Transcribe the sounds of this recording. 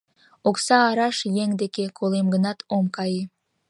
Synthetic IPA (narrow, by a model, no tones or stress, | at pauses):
oksɑːɾɑʃjeŋd̪ekekʰolemɡənɑt̪omkɑje